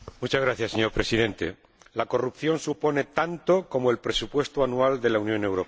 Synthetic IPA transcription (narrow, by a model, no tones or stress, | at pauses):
mut͡ʃazɣɾaθjasːeɲo̞ɾpɾe̞sið̞e̞nt̪e̞̰ | lako̞rup̚θjo̞nsupo̞ne̞t̪ant̪o̞komoe̞lpɾe̞supwe̞st̪oanuald̪e̞launjõ̞ne̞wɾo̞p